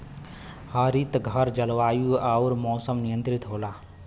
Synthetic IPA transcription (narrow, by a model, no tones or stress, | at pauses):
haːɾit̪ɡʱəɾd͡ʒəlʋaːjuaːɾmɔːsəmnijə̃nt̪ɾɪt̪ɦoːlaː